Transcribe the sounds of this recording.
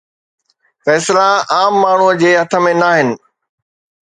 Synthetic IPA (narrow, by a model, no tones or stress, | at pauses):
fɛːslaaːmːaːɳ̤uəd͡ʑeːɦɐt̪ʰə̆mẽnaːɦɪnɪ̆